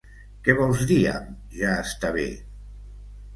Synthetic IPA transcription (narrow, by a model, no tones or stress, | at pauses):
kɛβɔlˠzðia̰m | ʒaəst̪aβḛ